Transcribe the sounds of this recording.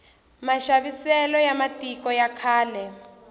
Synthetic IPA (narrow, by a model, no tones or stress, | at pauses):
maʃaβisɛlɔjamatikɔjakʰaːlɛ